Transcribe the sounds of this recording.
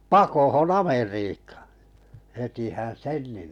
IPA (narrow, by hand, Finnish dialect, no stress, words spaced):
pɑkohon ɑmeriːkɑ̥ː hetihæn sen ni